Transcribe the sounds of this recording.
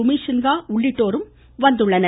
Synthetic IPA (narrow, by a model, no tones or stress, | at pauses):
ʊmiːʂɐnɡaːʊɭːɪʈːoːɾɯm | ʋɐnd̪ɯɭːɐnɐ